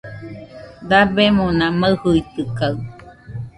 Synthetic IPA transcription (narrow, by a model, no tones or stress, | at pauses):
d̪abemonãməhuit̪ɨkaw